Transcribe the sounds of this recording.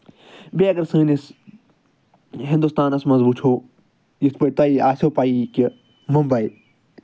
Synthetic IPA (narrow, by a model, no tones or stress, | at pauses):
beːɐɡɐɾsɨ̃ːnis | ɦɪ̃nd̪ust̪aːnɐsmɐzbut͡ʃʰoː | jispəit̪aiaːsʲoːpaiki | mɐmbɐi